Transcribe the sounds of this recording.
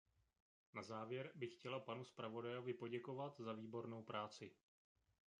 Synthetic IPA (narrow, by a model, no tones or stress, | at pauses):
nazaːvjɛɾbɪxcɛlapanuspɾavo̞dajo̞vɪpo̞ɟɛko̞vat̪zaviːbo̞ɾno̞wpɾaːt͡sɪ